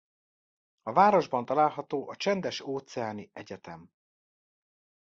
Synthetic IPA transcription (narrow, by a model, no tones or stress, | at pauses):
ɒvaːɾo̞ʒbɒnt̪ɒlaːlɦɒt̪oːʔɒt͡ʃɛnd̪ɛʃoːt̪sɛaːniɛɟɛt̪ɛm